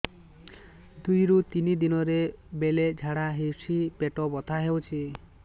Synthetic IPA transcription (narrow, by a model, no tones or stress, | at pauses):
d̪ujɾut̪inid̪inɔɾebeled͡ʒʱaɽaɦewsipeʈɔbɔt̪ʰaɦewt͡ʃʰi